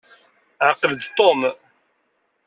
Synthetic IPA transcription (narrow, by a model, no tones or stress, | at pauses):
ʕəqːələd̪t̪ˤom